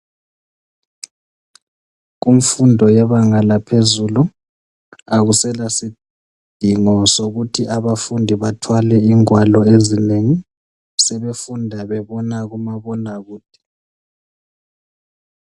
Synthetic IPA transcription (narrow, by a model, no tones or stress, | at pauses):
ɣumfundʱɔjɛβaŋalapʰezulu | aɣusɛlasi | d̥ʱiŋɔsoɣutʰiʔaβafundʱiβatʰwalɛiŋwalɔezineŋi | sɛβefundʱaβɛβɔnaɣumaβɔnaɣuːd̥ʱi̥